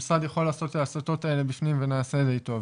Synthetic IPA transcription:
sadjaχo̞laːso̞tetasoto̞tae̞le̞bifnimvenaːse̞dejto̞v

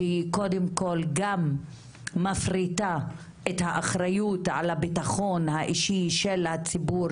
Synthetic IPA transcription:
iko̞demko̞lɡamː | afʁita | ethaʔaχɾajutʕa̰labitaχo̞nhaʔiʃiʃelhat͡sibu

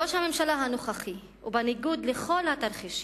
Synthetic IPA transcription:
oʃame̞mʃalaɦanoχaχi | ubaniɡud̪leχo̞lhat̪aɾχiʃ

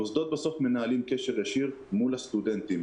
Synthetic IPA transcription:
osd̪ot̪̚baso̞fme̞naalimkeʃeʁjaʃiʁ | mulhast̪ud̪ent̪im

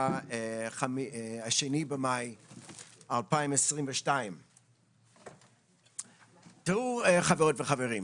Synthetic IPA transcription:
χamaʃenibemaj | alpaimesʁimveʃtaĩm | tuχaveʁotveχaveʁim

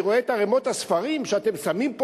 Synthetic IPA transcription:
ʁoet̪aʁemo̞t̪hasfaʁimʃeat̪e̞msamimpo

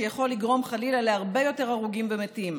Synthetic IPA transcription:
ejaχo̞lːiɡʁo̞mχalilaleaʁbe̞jo̞te̞ʁaʁuɡimbemetim

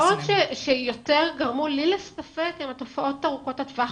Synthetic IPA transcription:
otʃeʃejo̞teʁɡaʁmulilestafekimato̞faʔo̞taʁuko̞tatva

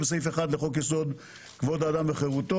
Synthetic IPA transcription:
besejfeχad̪leχokjeso̞d̪ | kvo̞d̪ad̪ambeχeʁut̪o

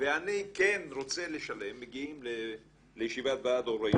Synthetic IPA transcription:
veanikenɾo̞t͡seleʃale̞mːeɡiimle | lejeʃivat̪vaad̪oɾe

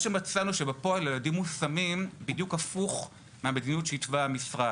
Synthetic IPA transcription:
ʃemat͡sanuʃebepoaljeladimːusamimbidjukafuχ | meame̞dinijutʃeitvaːmisʁa

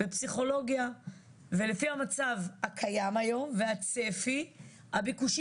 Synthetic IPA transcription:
bepsiχo̞lo̞ɡja | ve̞le̞fiamat͡savhakʰajamajo̞mveat͡sefi | habikuʃ

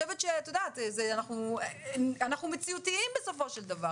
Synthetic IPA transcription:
oɛvɛt̪ʃetod̪at̪zeanaχnu | anaχnumet͡siutiimbeso̞fo̞ʃeld̪ava

